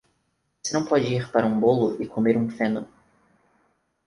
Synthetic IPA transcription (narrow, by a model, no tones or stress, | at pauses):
vosenɐ̃w̃pɔd͡ʒɪiɾpaɾɐũbolʊɪkʰomeɾũfẽnʊ